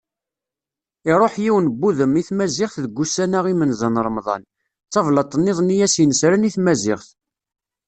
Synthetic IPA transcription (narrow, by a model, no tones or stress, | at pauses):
ɪɾˤoħjiwənbːuðəmiθmæzɪχθðəɡːusænæʁimənzənɾˤmðˤɑ̰n | t͡sːɑvlət̪ˤːnːeðˤnijæsinəsɾæniθmæzɪʁθ